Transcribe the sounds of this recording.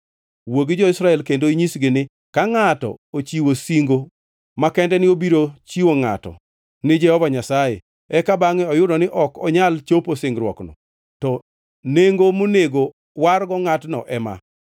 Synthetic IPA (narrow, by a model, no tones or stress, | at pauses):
woɡɪd͡ʒɔɪsɾaɛlkendoiɲisɡɪnɪ | kaŋatɔ̰ot͡ʃiwosiŋɡo | makɛndɛnɪobiɾot͡ʃiwoŋa̰tɔ̰ | nɪd͡ʒɛhɔvaɲasajḛ | ɛkabaŋɛɔjʊdɔnɪʔɔkɔɲalt͡ʃoposɪŋɡɾwɔ̰knɔ̰ | tɔ | neŋɡomoneɡo | warɡɔŋatnɔ̰ʔɛma̰